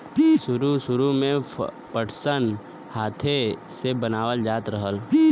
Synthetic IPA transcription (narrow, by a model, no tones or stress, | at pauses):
ʃʊɾuʃʊɾumẽ | pəʈʰsən | haːt̪ʰesebɐnaːwəld͡ʒaːt̪ɾəɦəl